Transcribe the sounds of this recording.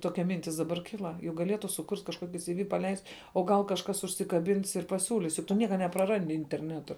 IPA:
ˈtoːkʲɛ ˈmʲɪnʲtʲɪs dɐˈbɐr ˈkʲɪlˠɐ jʊk ɡɐˈlʲiɛtʊ sʊˈkʊrʲtʲ kɐʃˈkuɔkʲɪ sʲɪˈʋʲɪ pɐˈlʲɛɪsʲtʲ oː ˈɡɐlˠ kɐʃˈkɐs ʊʃʲsʲɪkɐˈbʲɪns ɪr pɐˈsʲuːlʲɪs jʊk ˈtʊ ˈnʲiɛkɐ nʲɛprɐˈrɐnʲdʲɪ ɪnʲtʲɛrʲˈnʲæːtʊ

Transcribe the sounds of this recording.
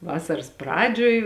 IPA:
ˈʋɑːsɐrɐs ˈprɑːd͡ʒʲoːj

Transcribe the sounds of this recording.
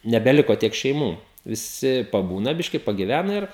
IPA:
nʲɛbʲɛˈlʲɪkoː ˈtʲiɛk ʃʲɛɪˈmuː ʋʲɪˈsʲɪ pɐˈbuːnɐ ˈbʲɪʃʲkʲɪ pɐɡʲɪˈʋʲænɐ ˈɪr

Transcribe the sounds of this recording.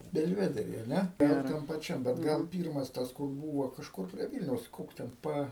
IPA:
bʲɛlʲˈʋʲæːdʲɛrʲiː ɐ ˈnʲɛ ˈtɐm pɐˈt͡ʃʲɛm bʲɛt ˈɡɐlˠ ˈpʲiːrmɐs ˈtɐs kʊr ˈbuːʋoː kɐʃˈkʊr pʲrʲiɛ ˈʋʲiːlʲnʲɛʊs ˈkoːks tʲɛn ˈpɐ

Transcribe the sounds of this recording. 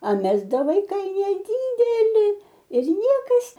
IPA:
ɐ ˈmʲɛs ˈdɐ ʋɐɪˈkɐɪ nʲɛˈdʲiːdʲɛlʲɪ ɪr ˈnʲiɛkɐs

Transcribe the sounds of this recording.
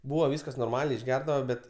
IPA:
ˈbuːʋɐ ˈʋʲiːskɐs noːrˈmɑːlʲɛɪ ɪʒʲˈɡʲɛrdɐʋɐ ˈbʲɛt

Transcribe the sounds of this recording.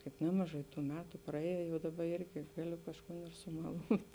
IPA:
kɐɪp ˈnʲæːmɐˌʒɐɪ ˈtuː ˈmʲæːtʊ prɐˈeːjoː jɛʊ ˈdɑːbɐ ˈɪrʲɡʲɪ ˈɡɑːˌlʲʊ kɐʃˈkuːn ɪr sʊmɐˈlˠuːtʲ

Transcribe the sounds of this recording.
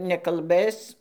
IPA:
nʲɛkɐlˠˈbɘs

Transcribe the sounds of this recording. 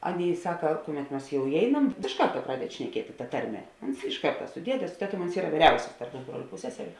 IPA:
ˈɑːˌnʲeːɪ ˈsɑːkɐ ˈkʊˌmʲɛt ˈmɐs jɛʊ ɪˈɛɪnɐm ɪʃ ˈkɐrtɐ ˈprɑːdʲɛdʲɪ ʃʲnʲɛˈkʲiɛtʲɪ tɐ ˈtɐrʲˌmʲɛ ˈʊns ɪʃ ˈkɐrtɐ sʊ ˈdʲiɛdʲɛ sʊ ˈtʲæːˌtuɔm ʊns ˈiːrɐ ˈʋʲiːrʲɛʊsʲɪs tɐrp ˈpʊzbroːlʲʊ ˈpʊsʲsʲɛsʲɛrʲʊ

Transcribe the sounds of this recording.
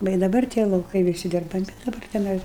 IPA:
ˈʋɐ ɪ dɐˈbɐr tʲiɛ lˠɐʊˈkɐɪ ʋʲɪˈsʲɪ dʲɪrbɐˈmʲɪ dɐˈbɐr tʲɛˈnɐɪ

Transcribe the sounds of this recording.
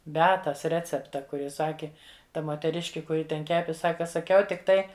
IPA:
bʲɛˈɑːtɐs ˈrʲæːt͡sʲɛptɐ ˈkʊr ˈjɪ ˈsɑːkʲɪ ˈtɐ moːtʲɛˈrʲɪʃʲkʲɪ kʊˈrʲɪ tʲɛn ˈkʲæːpʲɪ ˈsɑːkɐ sɐˈkʲɛʊ tʲɪkˈtɐɪ

